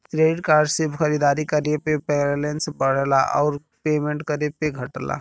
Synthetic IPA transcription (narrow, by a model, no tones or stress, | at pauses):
t̪ɾeɖkaɾɖsebʱkʰəɾid̪aɾikəɾepepeɾlensbəɽ̤ɛla̰ʔɔ̰ʊɾ | pemeɳʈkəɾepeɡʱəʈla̰